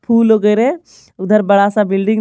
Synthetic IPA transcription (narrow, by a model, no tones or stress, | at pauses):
pʰuːlɦoːɡəjɾẽ | ʊd̪ʱəɾbɐɽasabɪlɖɪ̃ŋ